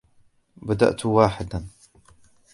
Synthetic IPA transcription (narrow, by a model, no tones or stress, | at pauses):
bad̪a̰ʔt̪waːħɪd̪an